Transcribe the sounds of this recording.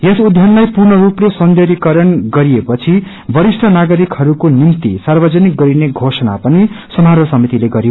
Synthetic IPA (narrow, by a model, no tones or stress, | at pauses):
esud̪ʱjʌnlajpurnʌɾuplesʌnd̪ʱeɾikʌɾʌnɡʌɾijepʌt͡sʰi | bʱʌɾisʈʰʌnaɡʌɾikhʌɾukonimt̪ḭsarbʌd͡zʌnik̚ɡʌɾineɡʱosʌna̰pʌnisʌmaɾʌsʌmit̪ileɡʌɾijo